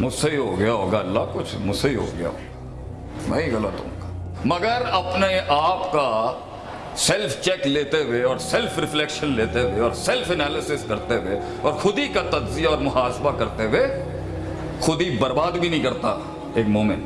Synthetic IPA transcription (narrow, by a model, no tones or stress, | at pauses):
mʊseɦiɦoːɡɐjaɦoːɡaɐlːakʊt͡ʃʰmʊseɦiɦo̰ɡɐja̰ɦo̰ːɡa | mɛ̰̃ːiɣɐlət̪õ̰ka | mɐɡəɾɐpneʔaːpka | sɛlpʰt͡ʃɛːkleːt̪eweɔːɾsɛlfʰɾɪflekʃənleːt̪eweɔːɾsɛlpʰɛnɛːlɪsɪskɐɾt̪ewe | ɔːɾxʊd̪ikat̪ɐd̪zijaɔːɾmʊhaːsbakɐɾt̪ewe | xʊd̪ibɐɾbaːd̪bʱinɐɦĩkɐɾt̪a | eːkmoːmẽɳʈ